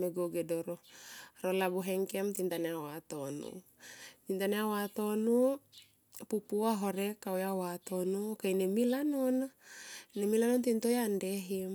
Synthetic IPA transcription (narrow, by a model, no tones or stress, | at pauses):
meɡoɡɛdɔɾɔaɾolabuɦɛŋkɛmt̪int̪aneawat̪onṵt̪int̪aneawat̪onu | pupuaɦoɾɛkawjawat̪onukainemilanɔnanemilanɔnt̪int̪ojandeɦim